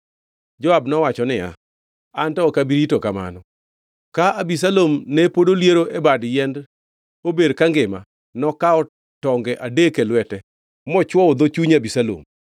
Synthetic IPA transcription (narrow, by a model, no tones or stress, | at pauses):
d͡ʒɔabnɔwat͡ʃɔnɪja̰ | antɔkabiɾitokama̰nɔ | kaabis̬alomnepodoljeɾoʔebadjɛnd | obedkaŋɡɪma | nɔkaɔ | tɔŋɡɛʔadekelwɛtɛ | mɔt͡ʃwɔɔd̪ot͡ʃuɲabisalo̰m